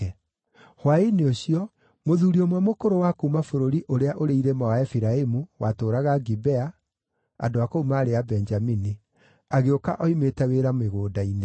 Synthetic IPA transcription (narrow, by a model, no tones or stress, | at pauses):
hwaineoɕiɔ | moðuɾiomwamokoɾowakuːmafoɾoɾiʔoɾeaʔoɾeiɾemawaɛfiɾaemuwatoːɾaɣaɡibɛa | a̰doakoumaːɾeabɛɲd͡ʒamini | aɣeoka̰ʔɔimetɛweɾameɣoːdaine